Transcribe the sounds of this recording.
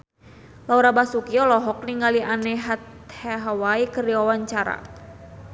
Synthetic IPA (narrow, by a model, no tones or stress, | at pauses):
lauɾabasukiɔlɔɦɔk̚niŋɡaliʔanɛɦat̪ | haɦawaikəriawaɲt͡ʃaɾa̰